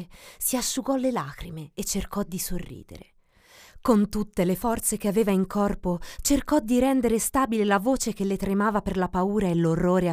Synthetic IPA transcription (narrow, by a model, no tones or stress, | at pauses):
siaʃːuɡɔlːelaːkɾimeːt͡ʃːerkɔd̪isorːḭːd̪ḛɾe | kont̪ut̪ːelefɔrt̪sek̟eaveːvaiŋkɔrpot͡ʃerkɔd̪ːiɾɛnd̪eɾest̪aːbilelavoːt͡ʃekelːet̪ɾemaːvaperlapauːɾaelːorːoːɾea